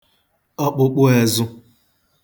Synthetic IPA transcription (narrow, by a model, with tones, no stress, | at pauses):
ɔ˦k͡pʊ˦k͡pʊ˦e˨zʊ˦